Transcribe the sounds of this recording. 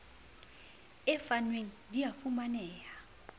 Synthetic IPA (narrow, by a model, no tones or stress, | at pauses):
ɛfanweŋ̩dijafumanɛːja